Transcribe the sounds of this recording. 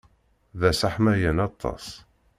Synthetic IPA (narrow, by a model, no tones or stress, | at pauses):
ðæsaħmæjənɑt̪ˤʰːɑ̰s